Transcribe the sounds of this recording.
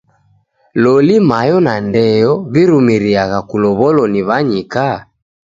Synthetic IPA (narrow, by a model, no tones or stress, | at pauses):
lɔlimajɔnandɛjɔβiɾumiɾiaɣakulɔβɔlɔniβaɲika